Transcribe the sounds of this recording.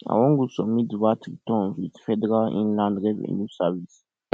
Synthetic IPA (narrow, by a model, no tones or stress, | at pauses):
a̰wɔ̃ŋɡusɔmĩdwatiɡitɔ̃nzwidfɛdɛɾalḭ̃nlãndɾɛvɛ̰̃nusavis